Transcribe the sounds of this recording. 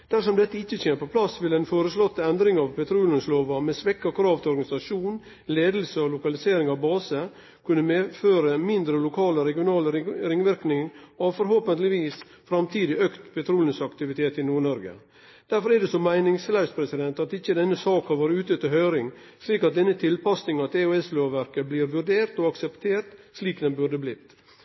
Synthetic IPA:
d̪̥æɾʂɔmd̪ɛt̪ːəɪçːəteːnəpʰɔpʰlɑsːʋɪlɛɪnfoːɾəslɔt̪ːəɛnd̪ɾɪŋɑʋpʰɛt̪ʰɾuːlənsloːʋɑmɛsʋɛkːɔkʰɾɑːʋt̪ʰɪɔɾɡɑnɪsɑʂuːn | leːd̪l̩səɔlʊkɑlɪseːɾɪŋɑʋbɑːsə | kʰʉnːəmeːføːɾəmɪnd̪ɾəlʊkʰɑːləɾɛɡɪʊnɑːləɾɾɪŋʋɪɾknɪŋɔʋfɔɾɦoːpənlɪʋiːs | fɾɑmt̪ʰiːd̪ɪøkt̪pɛt̪ʰɾuːlɪnəsɑkt̪ɪʋɪt̪ʰeːt̪ɪnuːɾɳɔɾɡə̰ | d̪̥æɾfɔɾɛd̪ɛsɔmːæɪnɪŋslæʏspʰɾɛsɪd̪ɛnt̪ɑt̪ɪçːəd̪ɛnːəsɑːkhɑɾʋɑːɾəʉːt̪ət̪ɪɦœʏɾɪŋ | sliːkɑt̪̚d̪ɛnːət̪ʰɪlpɑsnɪŋɑt̪ʰeːʉɛsløːʋæɾkəbliːɾʋʉɾɖeːɾt̪ɔɑksɛpt̪ʰeːɾt̪sliːkd̪ɛnbʉɾd̪əblɪt̪ː

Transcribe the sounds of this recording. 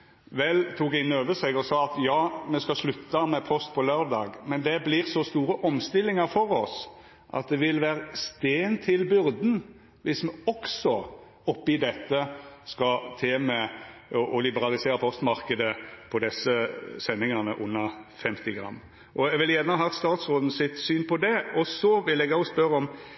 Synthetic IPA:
ʋɛlt̪ʰuːkɪnːøːʋəsɛɡɔsɑːɑt̪jɑːmɛskɑslʉt̪ːɑmɛpʰɔst̪̚pʰɔløːɾd̪ɑːɡmɛnd̪ɛblɪɾsɔst̪uːɾəʔɔmst̪ɪlːɪŋɑɾfɔɾɔs | ʔɑ̰t̪̚d̪ɛʋɪlʋæːɾəst̪eːnt̪ʰɪlbʏɾd̪n | ʋɪsmɛɔksɔ | ɔpːɪd̪ɛt̪ːəskɑt̪ʰeːmɛɔʔɔlɪbəɾɑlɪseːɾəpʰɔst̪mɑɾkəd̪əpʰɔd̪ɛsːəsɛnːɪŋɑnəʔʊnːəfɛmt̪ɪɡɾɑ̰mː | ʔɔɛɡʋɪljæɾnəɦɑːt̪st̪ɑːt̪sʁoːd̪n̩sɪt̪syːnpʰɔd̪ɛɔsɔʋɪlɛɡɑspœɾɔm

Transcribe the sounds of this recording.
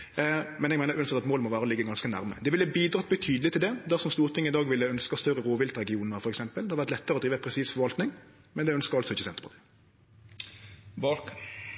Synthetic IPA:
mɛnɛɡæɪəɾʉːɑnsɛt̪ɑt̪moːlmɔʋæːɾəlɪɡːəɡɑnskənæ̰ɾmə̰d̪ɛʋɪləbiːd̪ɾʁɑːt̪̚bət̪ʰyːd̪əlɪt̪ɪld̪ɛd̪æsɔmst̪uːʁt̪ʰɪŋːɪd̪ɑːɡʋɪlːəœnskɑst̪œɾəɾoːʋɪlt̪ɾɛɡɪuːnəɾfɔɾɛksɛmpəld̪ɛhɑɾʋæʁt̪lɛt̪ːəɾəɔd̪ɾiːʋəpʰɾɛsiːsfɔʋɑlt̪nɪŋ | mɛnd̪ɛœnskəʁɑlsɔɪçːəsɛnt̪əpʰɔt̪ɪ | bɑk

